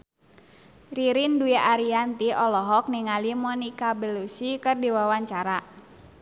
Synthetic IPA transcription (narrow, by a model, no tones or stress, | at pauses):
riɾinduaʔaɾiant̪iʔɔlɔɦɔk̚niŋalimɔnikabəlusikɨrdiwawaɲt͡ʃaɾa